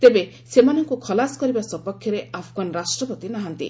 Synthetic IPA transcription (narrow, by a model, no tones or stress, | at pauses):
t̪ebe | semanɔŋkukʰɔlasɔ̥kɔɾibasɔpɔkʰjɔɾeapʰɡanɾasʈɾɔpɔt̪inaɦant̪ḭ